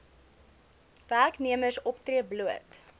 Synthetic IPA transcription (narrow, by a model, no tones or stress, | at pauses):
værkniəməsɔptriəbluət